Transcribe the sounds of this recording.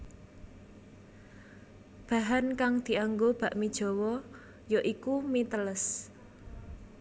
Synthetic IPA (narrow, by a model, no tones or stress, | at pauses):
b̥a̤ɦankaŋd̪̥i̤aŋɡob̥ä̤ʔmid̥ʒ̥o̤wɔ | joʔikumit̪ələs